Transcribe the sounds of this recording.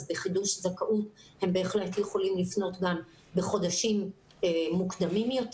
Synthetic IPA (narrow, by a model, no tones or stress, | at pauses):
zbeχiduʃzakaʔut | he̞mbe̞ːχle̞tjeχo̞limlifno̞tɡam | be̞χo̞d̪aʃim | eːukd̪amimjo̞t